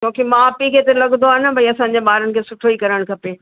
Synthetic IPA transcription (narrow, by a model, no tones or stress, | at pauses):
t͡ɕõːkimãpikʰet̪elɐɠnd̪oaːnə̆bʱɐiɐsãːɲ̆d͡ʑeɓaːɾənɪ̆kʰeːsʊʈʰoikɐɾəɽ̃kʰɐpe